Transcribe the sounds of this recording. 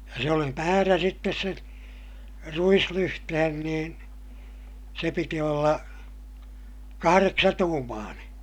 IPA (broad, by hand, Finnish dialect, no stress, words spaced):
jɑ se oli mæːræ sitːes sen ruislyhtehen niːn se piti olːɑ kɑhɑreksɑtuːmɑːneː